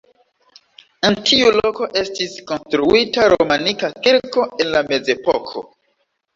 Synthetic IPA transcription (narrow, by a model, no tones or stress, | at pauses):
entʰiulo̞ko̞ʔe̞stisko̞nstɾuitaɾomanikakiɾko̞e̞nlame̞ze̞pokʰo̞̰